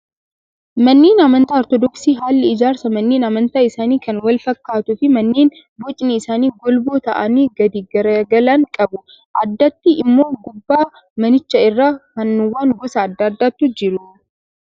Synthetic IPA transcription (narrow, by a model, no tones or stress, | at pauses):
mɐnːeːnɐmɐnt̪aɔɾt̪ɔd̪ɔksiːɦaːlːɛɪd͡ʒaːɾsɐmɐnːeːnɐmɐnt̪aːɪsaːniːkɐnwɐlfɐkːaːt̪ʊfɪmɐnːeːn | bɔt͡ʃʼniɪsaːniːɡɔlboːt̪ɐ̰ʔɐniːɡɐd̪iɡɐɾɐɡɐlɐŋkʼɐbʊ | ʔɐd̪ːɐt̪ːɪɪmːo̞ːɡʊbːaː | mɐnɪt͡ʃːɐɪrːaːkɐnːʊwːaːŋɡɔsɐːd̪ːaːd̪ːaːt̪ːud͡ʒɪɾʊ